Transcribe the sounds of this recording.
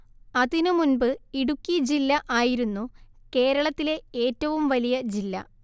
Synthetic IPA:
ɐðinɨmunbɨiɽukʲːid͡ʑilːɐʔaːjiɾunːu | ke̞ːɾɐɭɐt̪ːile̞eːtːɐʋumʋɐlijɐd͡ʑilːɐ̰

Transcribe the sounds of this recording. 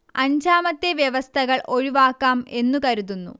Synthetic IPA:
ɐɲd͡ʑaːmɐt̪ːeʋjɐʋɐst̪ʰɐɣɐɭʔoɻiʋaːkːaːme̞nːukɐɾuðunːṵ

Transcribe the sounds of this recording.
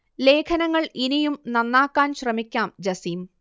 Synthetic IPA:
le̞ːkʰɐnɐŋːɐɭinijumnɐnːaːkːaːnɕrɐmikʲːaːmd͡ʑɐsiːm

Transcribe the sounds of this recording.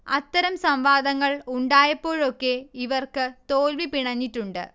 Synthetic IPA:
ɐ̰t̪ːɐɾɐmsɐmʋaːd̪ɐŋːɐɭuɳɖaːjɐpːo̞ːɻo̞kːe̞iʋɐrkɨt̪oːlʋipiɳɐɲːiʈːuɳɖɨ̰

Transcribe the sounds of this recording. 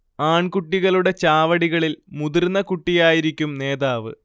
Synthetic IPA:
aːɳkuʈːiɣɐɭuɽe̞t͡ɕaːʋɐɽiɣɐɭilmuðirnːɐkuʈːijaːjiɾikʲːumne̞ːðaːʋɨ̰

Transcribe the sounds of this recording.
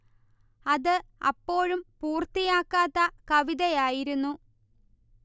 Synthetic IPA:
ɐðɨɐpːo̞ːɻumpuːrt̪ijaːkːaːt̪ːɐkɐʋiðɐjaːjiɾunːu

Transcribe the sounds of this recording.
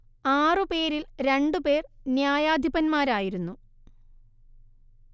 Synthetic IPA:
aːrɨpe̞ːɾilɾe̞ɳɖupe̞ːrnjaːjaːd̪ʱipɐnmaːɾaːjiɾunːu

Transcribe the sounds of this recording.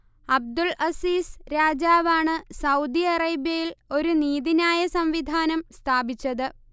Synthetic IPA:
ɐb̚d̪ulɐsiːsɾaːd͡ʑaːʋaːɳɨsɐwd̪iɐrɐjbjɐjilo̞ɾuniːðinaːjɐsɐmʋid̪ʱaːnɐmst̪ʰaːbit͡ɕːɐðɨ

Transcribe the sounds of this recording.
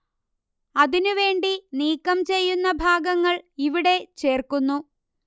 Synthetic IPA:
ɐðinuʋe̞ːɳɖiniːkːɐmt͡ɕe̞jːunːɐbʱaːɡɐŋːɐɭiʋiɽe̞t͡ɕe̞ːrkunːu

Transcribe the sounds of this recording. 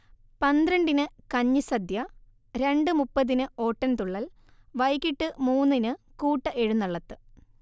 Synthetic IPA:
pɐnd̪ɾɐɳɖinɨkɐɲːisɐd̪jɐ | ɾe̞ɳɖɨmupːɐðinɨo̞ːʈːɐnt̪uɭːɐl | ʋɐjkːiʈːɨmuːnːinɨ | kuːʈːɐʔeɻunːɐɭːɐt̪ːɨ̥

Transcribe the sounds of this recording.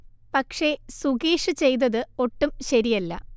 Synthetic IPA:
pɐkʂe̞suɡiːʂɨt͡ɕe̞jnɐðɨo̞ʈːumɕɐɾijɐlːɐ̰

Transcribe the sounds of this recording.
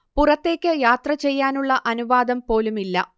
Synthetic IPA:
purɐt̪ːe̞ːkʲːɨjaːt̪rɐt͡ɕe̞jːaːnuɭːɐʔɐnuʋaːd̪ɐmpo̞ːlumilːɐ̰

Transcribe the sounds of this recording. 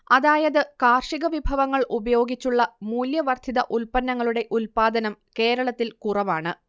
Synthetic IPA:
ɐðaːjɐðɨkaːrʂiɣɐʋibʱɐʋɐŋːɐɭʔubɐjo̞ːɡit͡ɕːuɭːɐmuːljɐʋɐrd̪ʱiðɐ̰ʔulpɐnːɐŋːɐɭuɽe̞ʔulpaːd̪ɐnɐmke̞ːɾɐɭɐt̪ːilkurɐʋaːɳɨ

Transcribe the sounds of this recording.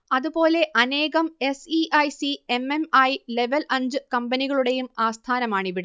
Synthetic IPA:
ɐðubo̞ːle̞ʔɐne̞ːɣɐme̞siʔɐjsiememɐjle̞ʋɐlɐɲd͡ʑɨkɐmbɐniɣɐɭuɽe̞jumaːst̪ʰaːnɐmaːɳiʋiɽɐ

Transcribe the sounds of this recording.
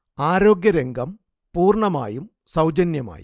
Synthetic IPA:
aːɾo̞ːɡjɐɾeŋɡɐm | puːrɳɐma̰ːjum | sɐwd͡ʑɐnjɐma̰ːj̰

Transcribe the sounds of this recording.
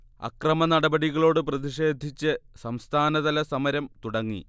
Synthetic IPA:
ɐ̰krɐmɐnɐɽɐbɐɽiɣɐɭo̞ːɽɨprɐðiʂe̞ːd̪ʱit͡ɕːɨsɐmst̪ʰaːnɐðɐlɐsɐmɐɾɐmt̪uɽɐŋːḭ

